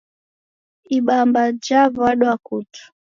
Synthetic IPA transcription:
iɓambad͡ʒavaɗwakutu̥

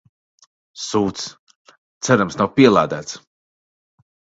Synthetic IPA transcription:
suːt̪s | t̪sɛɾamsnawpiɛlˠaːd̪æːt̪s

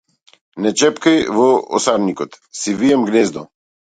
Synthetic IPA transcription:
nɛt͡ʃɛpkəjvɔɔ̰saɾnikɔt̪sivijɛmɡneːzd̪ɔ

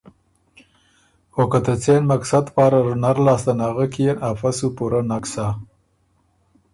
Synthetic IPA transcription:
xokat̪at͡senmaksad̪pɑːɾaɾunaɾlɑːst̪anaɣakijenafasupuɾanaksa

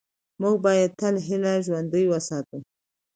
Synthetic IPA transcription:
muɡ̚bɑjad̪̚t̪əlɦɪlaʒwand̪əjwəsɑt̪ə

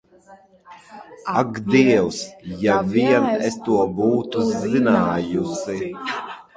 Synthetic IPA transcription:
aɡd̪iɛwsjaviɛnɛst̪uɔbuːt̪uzzinaːjusi

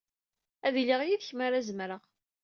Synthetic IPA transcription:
æðliʁjiðçmaɾæzəmɾəʁ

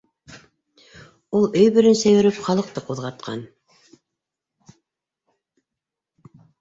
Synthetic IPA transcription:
ulˠɵjbɵ̆ɾɘnsæjɵ̆ɾɘpχɑlˠɤ̆q̚t̪ɤquðʁɑt̪̚qʰɑ̰n

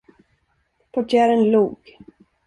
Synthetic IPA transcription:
pʰɔʈʰjæːɾənluːɡ̥

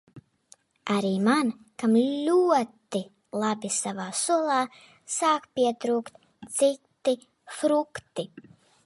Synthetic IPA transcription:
aɾiːman | kamllʲuɔt̪i | lˠabisavaːsuɔlˠaː | saːkpʲiɛt̪ɾuːkt̪ | t̪sit̪ːi | fɾukt̪i

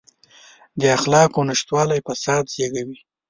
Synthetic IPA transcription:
d̪əaxlɑkonɪʃt̪wɑlajpasɑd̪zeɡawi

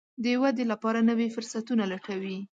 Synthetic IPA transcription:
d̪əwad̪elapɑɾanəwefʊɾsat̪unalaʈawi

